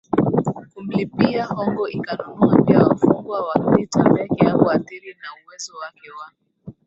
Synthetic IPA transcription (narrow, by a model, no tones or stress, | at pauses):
kum̩lipiahɔŋɡɔikanunuambiawafuŋɡwawapitambɛɡɛjakuaθiɾinauwɛzɔwakɛwaki